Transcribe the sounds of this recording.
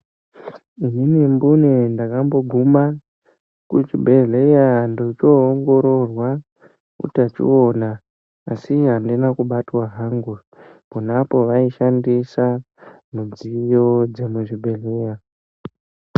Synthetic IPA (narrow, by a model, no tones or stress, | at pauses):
ininimbunendakambo̞ɡʱuma | kut͡ʃibʱe̞ɮejandot͡ʃoːŋɡo̞ɾo̞rwa | kṵtat͡ʃḭonaː | siɦandinakuɓatwaɦaŋɡu | munapo̞ʋaiʃandisa | mud͡zijo̞d͡ze̞muʐibʱe̞ɮe̞ja